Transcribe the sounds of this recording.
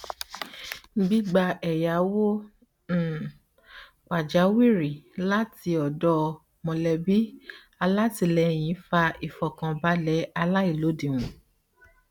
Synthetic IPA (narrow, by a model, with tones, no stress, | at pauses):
ɡ͡bi˦ɡ͡ba˧ɛ˨ja˨˦wõ˦˨ | k͡pa˨d͡ʒa˨˦wi˦˨ɾi˨la˦ti˧ɔ˨dɔ˦˧ | mɔ̃˧lɛ˧bi˦ | a˧la˦ti˧˨lɛ˧˦j̃ĩ˨˦fa˧i˨fɔ˨kã˧ba˦lɛ˨˦a˧la˦i˦˨lo˨˦dĩ˨wũ˨